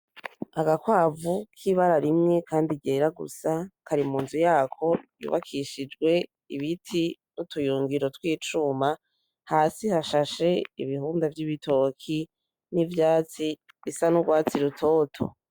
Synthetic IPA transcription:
aɡakwaːvukʰiβaɾaɾimŋekʰaːndiɟeːɾaɡṵsakaɾimuːnzujaːkʰo̞jṵβa̰kʰiʃid͡ʒɡwe̞ | iβitʰinutujuːŋɡiɾo̞twiːt͡ʃuma | haːsihaʃaʃe̞iβihuːndavjiβitʰo̞kʰi | nivjaːt͡si | βisanuɡwaːt͡siɾutʰo̞ːtʰo̞̰

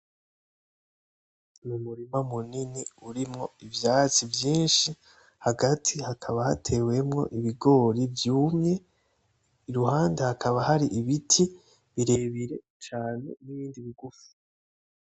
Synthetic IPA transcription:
numuɾimamuniniuɾimŋo̞ivjaːt͡sivjiːnʃi | haɡatʰihakʰaβaha̰tʰe̞we̞mŋo̞̰ʔiβiɡo̞ːɾivjuːmɲe̞ | iɾuhaːndehakʰaβahaɾiʔiβitʰi | βiɾe̞βiɾe̞ | t͡ʃaːnḛniβiːndiβiɡufu̥

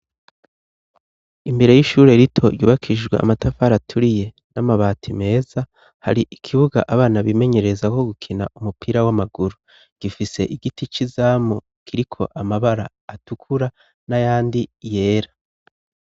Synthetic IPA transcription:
imbe̞ɾe̞jiʃuːɾe̞ɾitʰo̞̰ɾjuːβakʰid͡ʒɡweʔa̰matafaɾatʰuɾije̞ | namaβaːtʰime̞ːza | ha̰ɾiʔikʰiβuɡa̰ʔaβaːnaβime̞ɲe̞ɾe̞zako̞ɡukʰina̰umupʰiɾawamaɡuɾu | ɡ̥ifise̞̰ʔiɡitit͡ʃizaːmo | kʰiɾikʰo̞̰ʔamaβaɾa̰ːtukʰuɾa | najaːndije̞ːɾa

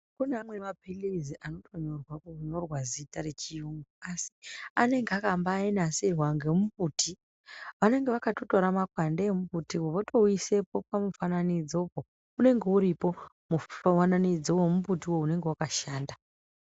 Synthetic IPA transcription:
kunamwe̞mapileziʔano̞tʰo̞ɲo̞rwakuɲo̞rwazitaɾe̞t͡ʃijuːŋɡouasiane̞ŋɡeakambaːinaserwaŋɡe̞mupuːtʰi | ʋane̞ŋɡe̞ʋakato̞to̞ɾamakwandeemubutiwoʋoto̞ise̞po̞p̚amufananid͡zoko | une̞ŋɡe̞uɾipo̞ | muananid͡zowomumbutiwoune̞ŋɡe̞wakaʃaːnda

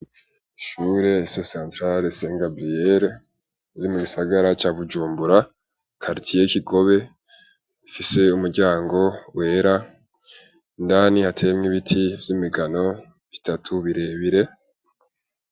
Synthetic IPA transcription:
iʃuːɾe̞sesãːntɾaɾeseŋɡabɾijeɾe | iɾimuɡisaɡaɾat͡ʃaːβud͡ʒuːmbuɾa | kʰaɾitʰijekiɡo̞βe̞ | ifise̞umuɾɟaːŋɡo̞we̞ːɾa | indaːnihatʰe̞ːmŋiβitʰivjimiɡano̞ | βitatʰuβiɾe̞βiɾe̞

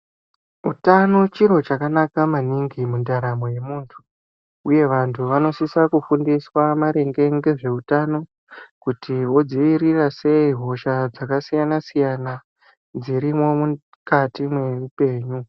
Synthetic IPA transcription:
utano̞t͡ʃiɾo̞t͡ʃakanakamaniŋɡimundaɾamo̞je̞muːntʰu | uje̞ʋantʰuʋano̞sisakufundiswamaɾe̞ŋɡe̞ŋɡe̞ʐe̞utano̞ | kutʰiwo̞d͡ziʋirirase̞iɦo̞ʃad͡zakasijanasijana | d͡ziɾimo̞mu | katimwe̞rupe̞ːɲu

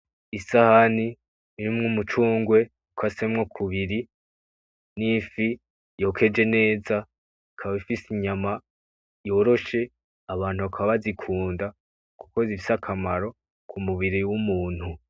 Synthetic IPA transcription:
isahani | ɾimŋumut͡ʃuːŋɡwe̞ | ukʰase̞mŋokʰuβiɾi | nifi | jo̞kʰe̞d͡ʒe̞ne̞ːza | ikʰaβaβifisiɲama | jo̞ːɾo̞ʃe̞ | aβaːn̥huβakʰaβaβazikʰuːnda | ku̥ko̞izifisakʰamaɾo̞ | kʰumuβiɾiwumuːn̥hu

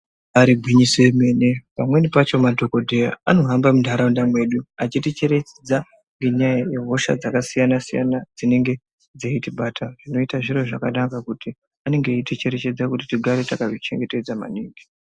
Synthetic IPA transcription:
aɾiɡʱwiɲiseme̞ːne̞pamwe̞nipat͡ʃo̞madʱo̞ko̞dʱe̞jaano̞ɦambamudʱaɾaundamwe̞ɗuat͡ʃitit͡ʃe̞ɾe̞t͡ʃed͡za | ŋɡe̞ɲajaje̞ɦo̞ʃa̰d͡zakasijanasija̰nad͡zine̞ŋɡe̞ | d͡zeitiɓaːtaʐino̞itaʐiro̞ʐakanakakuti | ane̞ŋɡeitit͡ʃe̞ɾe̞t͡ʃe̞d͡zakutitiɡʱaɾetakaʐit͡ʃe̞̰ŋɡe̞te̞d͡zama̰niːŋɡi

